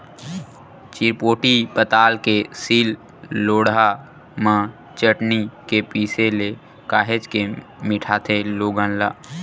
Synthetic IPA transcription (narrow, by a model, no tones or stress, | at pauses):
t͡ʃiɾpoːʈipət̪aːlkesiːlː | oːɽa | mã | t͡ʃəʈnikepiːsele | kaːɦed͡ʒkemɪʈʰaːt̪ʰeloːɡə̃nlaː